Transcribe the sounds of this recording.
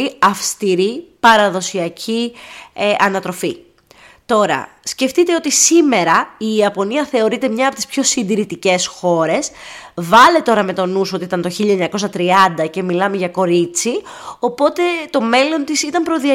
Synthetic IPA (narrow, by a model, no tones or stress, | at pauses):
iɐfst̪iɾipɐɾɐðo̞siɐcʰi | ʔɐnɐt̪ɾo̞fi | t̪o̞ɾɐ̰sce̞ft̪it̪e̞o̞t̪isime̞ɾɐiːɐpo̞niɐθe̞o̞ɾit̪e̞mɲɐːpo̞t̪i̥spço̞sind̪iɾit̪icesxo̞ɾe̞svɐle̞t̪o̞ɾɐme̞t̪o̞nusoit̪ɐnt̪o̞çiʎɐeɲɐko̞sɐt̪ɾiɐnd̪ɐce̞milɐme̞ʝɐko̞ɾit͡sio̞po̞t̪e̞t̪o̞me̞lo̞nt̪isit̪ɐmpɾo̞ðiɐ